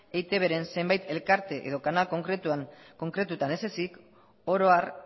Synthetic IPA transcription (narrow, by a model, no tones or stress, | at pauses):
e̞jt̪e̞βe̞ɾe̞nse̞mbajt̪e̞lkaɾt̪e̞ʔḛð̞o̞kanalko̞ŋkɾet̪uaŋko̞ŋkɾe̞t̪ut̪ane̞se̞sik | o̞ɾo̞aɾ